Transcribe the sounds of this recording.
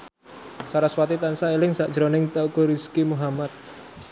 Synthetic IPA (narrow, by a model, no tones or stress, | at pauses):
saɾaswat̪it̪ansaelɪŋsaʔd̥ʒ̥əɾonɪŋt̪akoɾiskimuɦamat̪̚